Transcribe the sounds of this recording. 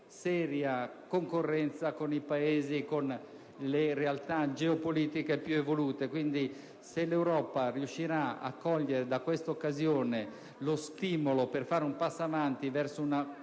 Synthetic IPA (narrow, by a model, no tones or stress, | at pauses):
sɛːɾjakoŋkorːɛnt̪sakonipaeːzikon | leɾealt̪ad͡ʒeopoliːt̪ikepjuevoluːt̪ekwind̪i | selewɾɔːpariuʃːiɾaa̰kːɔʎːeɾed̪akːwest̪aokːazjoːne | lost̪iːmoloperfaːɾeumpasːavant̪ivɛrsouna